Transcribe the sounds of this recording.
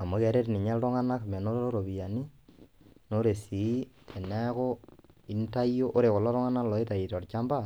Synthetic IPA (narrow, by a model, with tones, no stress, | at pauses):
a˨mo˨kɛ˦ɾe˦tni˨ɲa˦ltɔ˦ŋa˦na˦kmɛ˨no˦ɾo˦ɾo˦ɾo˨βi˨ja˨ni˦ | no˦ɾe˨si˨˦tʰe˨nɛ˦ko˦i˦nta˦jo˦ʔo˦ɾe˨ko˨lɔ˦ɾɔ˦ŋa˦na˦lɔ˨e˦ta˨i˨tɔ˨rt͡ʃa˦mba˦˨